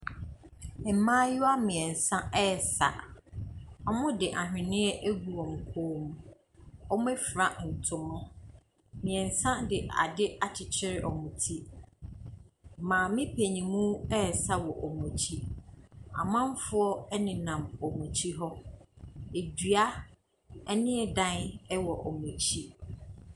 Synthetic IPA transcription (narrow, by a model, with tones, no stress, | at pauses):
mãː˦jʊ˦a˦mɪ̃˨ɛ̃˨n̩˨sã˦ɛ˦˨sa̰˨ | ɔ˦mʊ̃˦dɪ˨ʔa˨ɦᶣɪ̃˨nɪ̃˦ɛ˦ʔe˦ɡu˨wɔ̃˨m̩˨kʰoː˦mũ˦ | ɔ˦mʊ̃˦ɛ˦fɾa˨n̩˨tʰʊ̃˨mʊ̃˦ | mɪ̃˨ɛ̃˨n˨sã˦dɪ˨ʔa̰˨dɪ˦a˨t͡ɕʰɪ˨t͡ɕʰɪ˦ɾɪ˦ʔɔ˨mʊ̃˨tʰi˦ | mãː˨mɪ̃˦pʰe˨ɲĩ˨mũ˦ɛ˦˨sa˦wɔ˨ʔɔ˨mɔ̃˨t͡ɕʰi˦ | a̰˨mã˦m˦fʊ˦ɔ˦ɛ˦nɪ̃˨nã˨mɔ˨mũ˨t͡ɕʰi˦ɦɔ˦ | e˨dɥa˦ | ɛ˦nɪ̃˦ɛ˨dã˦nɛ˦wɔ˨ʔɔ˨mũ˨t͡ɕʰi˦